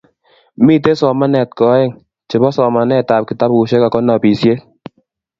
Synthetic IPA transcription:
mi˦˨te˦sɔ˨ma˦nɛ˨t̚kɔ˨˦e˦˨ŋ | t͡ʃe˨bɔ˦sɔ˨ma˨nɛ˨ta˨p̚ki˨ta˦pu˨ʃe˦ka˨kɔ˦nɔ˨pi˨sje˦t̚

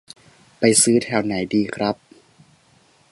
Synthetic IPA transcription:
pa˧jsɯː˦˥t̪ʰɛː˧˩wna˩˦jdiː˧kʰɾa˦˥p̚

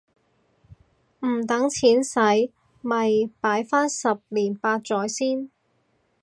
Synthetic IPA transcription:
m̩˨˩t̪ɐ˨˥ŋt͡sʰiː˨˥nsɐ˨˥j | mɐ˨jpaː˨˥jfaː˥nsɐ˨p̚liː˨˩npaː˧t̚t͡sɔː˨˥jsiː˥n

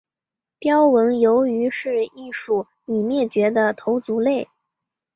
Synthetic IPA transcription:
pjɑ˥ʊwə˧˥njo˧˥ʊy˧˥ʂɻ̩˥˧i˥˧ʂu˥˩ | ni˨˩mjɛ˥˩t͡ɕɥɛ˧˥d̪ə˧t̪ʰo˧˥ʊt͡su˧˥le˥˩ɪ

